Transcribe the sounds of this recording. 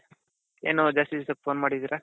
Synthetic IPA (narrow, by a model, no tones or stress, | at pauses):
eːnud͡ʒaːst̪isɐk̚fʰoːnmaːɽid̪iɾe